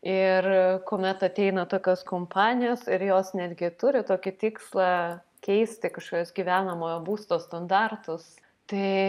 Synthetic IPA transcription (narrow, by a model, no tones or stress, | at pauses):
ɪrkoːmʲɛt̪ɐt̪ʲɛɪnɐt̪oːkʲoːskoːmpʰɑːnʲɪjoːsɪɾjoːsnʲæːd̪ʲɡʲɪt̪ʊɾʲɪt̪oːkʲɪt̪ʲɪkslˠɑː | kʲɛɪsʲt̪ʲɪkɐʃkoːkʲosɡʲiːʋʲæːnɐmoːjoːbuːst̪oːst̪ɐnd̪ɑrt̪ʊs | t̪ɐɪ